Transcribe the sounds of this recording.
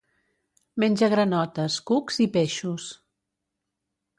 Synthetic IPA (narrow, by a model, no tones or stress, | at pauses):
menʲd͡ʒəɣ̞ɾənɔt̪əskukz̥ipeʃus